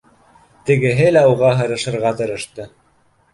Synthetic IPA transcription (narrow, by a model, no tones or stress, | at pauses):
t̪ɘ̆ɡɘ̆ɦɘlæuʁɑɦɤ̆ɾɤ̆ʃɤ̆ɾʁɑt̪ɤ̆ɾɤ̆ʃt̪ɤ